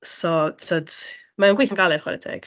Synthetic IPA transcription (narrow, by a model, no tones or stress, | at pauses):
sɔtʰɔd̥ | maunɡwiθanɡalˠɛrχwa̰ɾɛ̰dʰɛ̰ɡ̥